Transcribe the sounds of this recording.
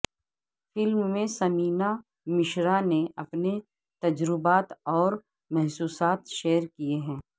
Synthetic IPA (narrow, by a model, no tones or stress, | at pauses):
fɪlmːẽsɐmiːna | mɪʃɾaneɐpne | t̪ɐd͡ʒɾɪbaːt̪ɔːɾ | mɛɦsuːsaːt̪ʃeːəɾkieɦɛ̃ː